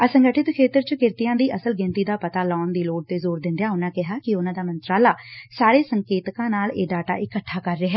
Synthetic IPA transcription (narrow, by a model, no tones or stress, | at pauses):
əsəŋɡəʈʰɪt̪kʰeːt̪əɾt͡ʃəkɪɾt̪ɪjãːd̪iːʔəsəlɡɪ̃nt̪iːd̪aːpət̪aːlɔːnd̪iːloːɖ̚t̪eːzoːɾd̪ɪ̃nd̪ejaːʊnãːkɪɦaːkɪʊnãːd̪aːmənt̪ɾaːlaːsaːɾeːsəŋkeːt̪kãːnaːleːɖaːʈa̰ːʔɪkəʈʰːaːkəɾːeːɦɛː